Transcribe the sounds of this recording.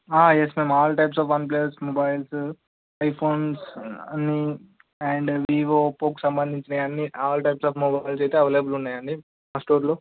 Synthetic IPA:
aːjesme̞ːmaːlɐʈɐjpsaːfɐnp̬lesmobajls | ɐjpʰoːnsɐnːi | ɛːɳɖʋiːʋoːpoːku̥sɐmbɐnd̪ʱiɲt͡ʃinɐɐnːiaːlɐʈɐjpsaːfmobajilsejt̪eːɐʋeːleːbulunːaːjɐɳɖi | pasʈoːɾloː

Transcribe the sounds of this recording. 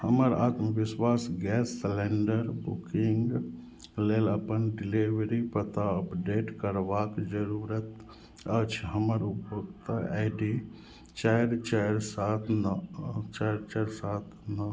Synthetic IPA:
həməɾa̰ːt̪məʋɪswaːsɡɛːsːleɳɖəɾbukiŋɡ | leːləpənɖɪliʋɾipət̪aəpɖeːʈkəɾʋakd͡ʒəɾuɾət̪ | ət͡ʃʰɦəməɾpot̪aaɪɖi | t͡ʃaɾt͡ʃəjɾsat̪ʰnt͡ʃaɾt͡ʃəɾsaːt̪ʰnə

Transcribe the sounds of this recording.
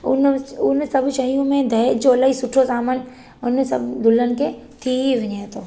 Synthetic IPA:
ʊnʊnsɐbʃɐɦijũmẽd̪ʱɐjd͡ʒoɐlːaːɦisʊʈʰosaːmən | ʊnsɐbd̪ʱʊlənɪ̆ket̪ʰiiʋɪɲẽt̪oː

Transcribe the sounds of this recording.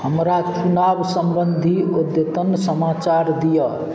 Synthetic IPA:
hʌmɾat͡ʃunabsʌmbənd̪ʱiod̪jət̪ənsʌmat͡saɾd̪ijʌ

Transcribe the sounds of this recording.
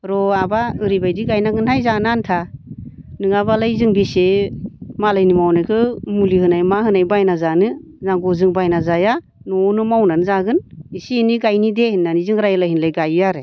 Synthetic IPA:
ɾɔabaɯɾibajdiɡajnaɡɯnhʰajzanantʰa | nɯŋabalajzɯŋbese | malajnimawnajkʰɯmulihɯnajmaɦɯnajbajnazanɯ | zaɡɔzɯŋbajnazaja | nɔnɯmawnanzaɡɯnisiniɡajnidehinːanizɯŋɾajlajhinlajɡajaɾe

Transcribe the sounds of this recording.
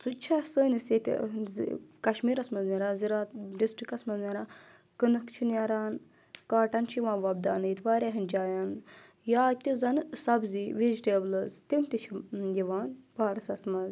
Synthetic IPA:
t͡sut͡ʃʰasəːniset̪ʲzkɐʃmiːɾɐsmɐzniɾaziɾaːt̪ɖisʈɾikɐsmɐzniɾaː | kɨnɨkt͡ʃʰinaɾaːn | kaːʈɐnt͡ʃʰiʋãːʋɐb̚d̪aːnit̪ʰʋaːɾʲaɦind͡ʒaːjan | jaːt̪ʲizɐnsɐbziʋed͡ʒiʈeːblɐzt̪imt̪it͡ʃʰijiʋaːnbaːɾsɐsmɐz

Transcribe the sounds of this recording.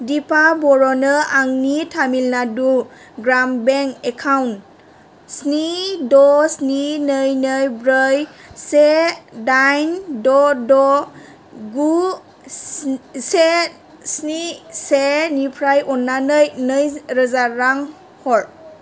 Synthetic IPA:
dipʰabɔɹɔnɯaŋnitʰamilnadu | ɡɾambɛŋkɛkʰawn | snidɔsninɯjnɯjbɾəjsedajndɔdɔ | ɡu | se | snisenipʰɾajɔnːanɯjnɯjɾɯzaɾaŋ | hɔɹ

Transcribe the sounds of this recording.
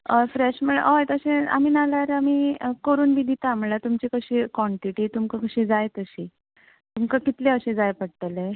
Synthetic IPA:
əfɾeɕməɳəjt̪əɕẽa̰miːnalaɾamikəɾuːnbid̪ʱit̪aːmlat̪umt͡ɕikəɕikʋɔɳʈiʈit̪umkakəɕĩd͡zajt̪əɕi | t̪umkakit̪leəɕẽd͡zajpəɽt̪əle

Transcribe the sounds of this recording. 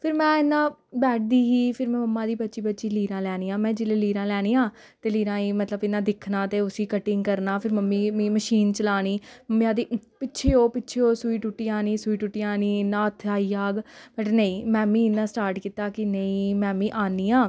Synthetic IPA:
pʰɪɾmɛ̃ːɪnːãːbɛːʈ̚ʰd̪iːɦiːpʰɪɾmɛ̃ːməmːãːd̪iːbətːʃiːbətːʃiːliːɾãːlɛːñiːãːmɛ̃ːd͡ʒɪleːliːɾãːlɛːñiːãː | t̪eːliːɾãːiːmət̪ləbɪnãːd̪ɪkʰnaːt̪eːʊsiːkəʈɪŋɡkəɾnaːpʰɪɾməmːiːmiːməʃiːnt͡ʃəlaːniːməmːjãːd̪iːpɪtːʃʰeːoːpɪtːʃʰeːoːsuiːʈʊʈːiːaːniːsuiːʈʊʈːiːaːniːnãːt̪ʰaːiːaːɡbəʈnəĩːmɛ̃ːmiːɪnːãːsʈaːɾʈkiːt̪aːkɪnəĩːmɛ̃ːmĩːʔaːniːãː

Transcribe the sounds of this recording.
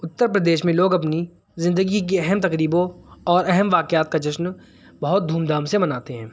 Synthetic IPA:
ʊt̪ːəɾpɾəd̪eːʃmẽloːɡɐp̬ni | zɪ̃nd̪əɡik̬iɛɦɛmt̪ɐkɾiːbõɔːɾɛɦɛmʋaːkjaːt̪̚kad͡ʒɐʃn | bɐɦʊt̪̚d̪ʱuːmd̪aːmsemɐnaːt̪eɦɛ̃ː

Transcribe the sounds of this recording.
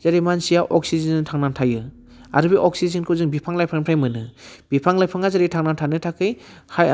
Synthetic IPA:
z̥aɾimansijaʔɔk̚sizintʰaŋnantʰajɯ | a̰ɾɯbiʔɔksizinkʰɯzɯŋbipʰaŋlajpʰɾaŋpʰɾajmɯnɯb̥ipʰaŋlajpʰaŋazaɾitʰaŋnantʰanɯtʰakʰɯjha

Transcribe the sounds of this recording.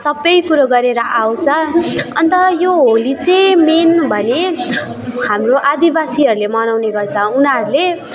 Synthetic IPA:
sʌbːʌjkuɾʌɡʌɾeɾʌʔawt͡sʰʌʌnt̪ʌjoɦolit͡sʌjmenbʱʌne | ɦamroʔad̪ibasiɦʌɾulemʌnawneɡʌrt͡sʰʌunaɾule

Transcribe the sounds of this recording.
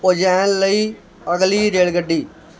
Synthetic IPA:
od͡ʒɛːnləiː | əɡliːɾeːɭɡəɖːiː

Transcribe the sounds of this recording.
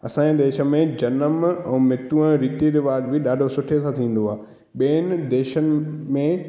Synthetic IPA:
ɐsãːd̪eːʃə̆mẽd͡ʑɐnəmɛ̃ːmɪt̪ũə̃ɾiːt̪iɾɪʋaːdbɪɗaːɖʱosʊʈʰet̪ʰãt̪ʰĩːn̆d̪oaː | ɓiːənɪ̆d̪eːʃənɪ̆mẽ

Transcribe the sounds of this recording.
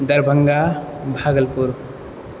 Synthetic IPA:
d̪əɾbʱəŋɡabʱaːɡəlpuɾ

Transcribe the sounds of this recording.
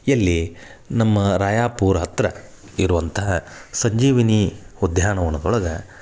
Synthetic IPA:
jɐlːi | nɐmːɐɾaːjaːpuːɾɐɦɐt̪ɾɐ̰ | iɾuʋɐnt̪ɐɦɐsɐɲd͡ʒiːʋiniud̪jaːɳɐʋɐnːɐd̪ɔɭɐɡɐ

